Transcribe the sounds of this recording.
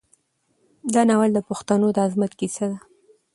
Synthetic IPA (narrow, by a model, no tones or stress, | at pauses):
d̪ɑnawald̪əpʊxt̪anod̪əazmat̪kisad̪a